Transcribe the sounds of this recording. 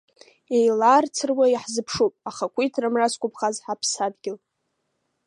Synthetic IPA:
ejlart͡sʰɨrwajħzɨpʰʂupʼaχakʷʰitʰrɨmraskʷʰʼʊpʰχazħapʰsadɡʲɪl

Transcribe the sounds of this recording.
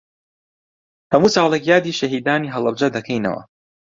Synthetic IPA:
hɐmuːsɑːlˠekjaːd̪iːʃɐɦiːd̪aːniːɦɐlˠɐb̚d͡ʒɐd̪ɐkʰɐjnɐ̰wɐ̰

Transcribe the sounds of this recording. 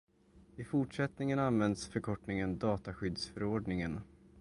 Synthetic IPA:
ɪfʊʈʂɛt̪nɪŋənanvɛnd̪sfœɾkʰɔʈnɪŋənd̪ɑːt̪aɧʏd̪sfœɾoːɖɳɪŋən

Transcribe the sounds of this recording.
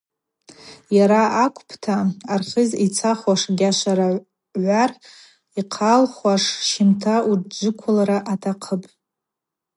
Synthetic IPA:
jaɾaʔakʷʰʼpʰtʰaːrχʲəzit͡sʰaχwaʂɡʲaʃʷaɾa | ʕʷar | iqʰalχwaʂʃɪmtʰaud͡ʒʷʊkʷʰalaɾaʔatʰaqʰəpʼ

